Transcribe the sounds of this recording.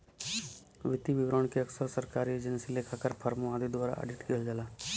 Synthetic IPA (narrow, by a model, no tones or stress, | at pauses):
ʋɪt̪iʋɪʋɾoːɳ̃keɐksəɾsɐɾkaːɾieːd͡ʒənsilekʰakəɾpʰɐɾmoaːd̪id̪waːɾa̰ʔḛɖɪʈkeld͡ʒalaː